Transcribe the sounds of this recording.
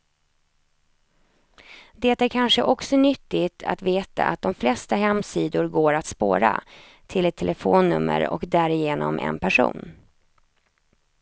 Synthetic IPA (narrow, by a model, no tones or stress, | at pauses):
d̪ɛt̪æːɾkʰanʂəʔɔksɔnʏt̪ːɪɡt̪ʰa̰t̪veːt̪a̰ʔat̪̚d̪ɔmflɛst̪aɦɛmsiːd̪ʊɾɡoːɾat̪spo̰ːɾa | t̪ʰɪlɛt̪ʰɛlɛfoːnːɵmːə̰ɾɔ̰kd̪æɾɪjeːnɔmʔɛ̰npʰæʂṵːn